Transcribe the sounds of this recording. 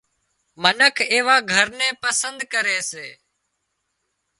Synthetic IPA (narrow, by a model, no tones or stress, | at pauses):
mənəkʰeːʋaːɡʱəɾnẽːpəsənd̪kəɾeːseː